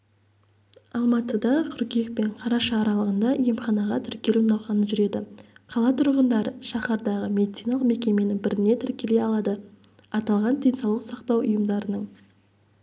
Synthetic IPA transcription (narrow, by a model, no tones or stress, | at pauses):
ɑlˠmɑt̪əd̪ɑqʰʏɾkʲek̚pe̞ɴqʰɑɾɑʃɑːɾɑlˠəʁənd̪ɑjemχɑnɑʁɑt̪ʰɪɾkʲe̞lunɑwʁɑnəʒʏɾe̞d̪ɪqʰɑlˠɑt̪ʰʊɾʁənd̪ɑɾəʃɑχɑɾd̪ɑʁəmʲe̞d̪it̪sijnɑlˠəqme̞kʲe̞me̞nɪŋbɪɾɪne̞t̪ʰɪɾkʲele̞ɑlˠɑd̪ə | ɑt̪ɑlˠʁɑnd̪ejnsɑwlˠəqsɑqt̪ɑwʊjəmd̪ɑɾənəɴ